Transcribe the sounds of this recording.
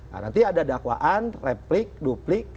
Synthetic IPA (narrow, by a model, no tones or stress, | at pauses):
na̰nt̪iadadakwa̰ʔanrɛplik̚duplɪk̚